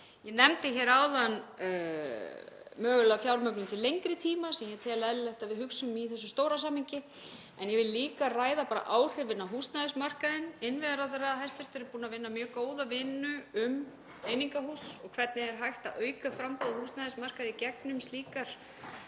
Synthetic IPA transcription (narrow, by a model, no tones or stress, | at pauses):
jɛnɛmt̪ɪçɛɾaːwðan | mœːɣʏlafjawɾmœknʏmt̪ʰɪlejŋkɾɪt̪ʰiːmasɛmjɛt̪ʰɛːlaɛlɪlɛht̪avɪðhʏksʏmiθɛsːʏst̪oːwɾas̬aːmhiɲcɪ | ɛnjɛvɪllːiːkaraːjðapaːɾa̰ʔaːwr̥ɛvvɪnːaɦuːst̪naðɪsmar̥kaðɪnɪnvɛðaɾaθɛrːaɦɛjst̪ɛɾ̥t̪ɪɾɪɾpuːnavɪnːamjœːɣkoːwðavɪnːʏʏm | ejniŋkahuːsɔɣkʰvɛɾt̪nɪðɛɾ̥ɦajht̪aʔœːɥkafɾampɔðahuːst̪naðɪsmar̥kaðɪcɛk̚nʏmst̪liːkaɾ̥